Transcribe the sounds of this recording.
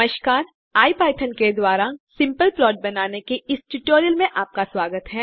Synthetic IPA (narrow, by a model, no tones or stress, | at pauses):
əʃkaːɾ | aːipaːɪʈʰənked̪waːɾasɪ̃mpəlplɔːʈ̚bɐnaːnekeɪsʈuʈoːɾijəlmẽʔaːp̚kaswaːɡət̪ɦɛː